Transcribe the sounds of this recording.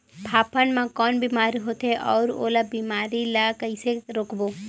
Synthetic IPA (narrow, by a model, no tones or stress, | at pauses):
pʰaːpənmãkɔːnbiːmaːɾiɦot̪eʔɔːɾo̰ːlabiːmaːɾilakəɪseɾoːkboː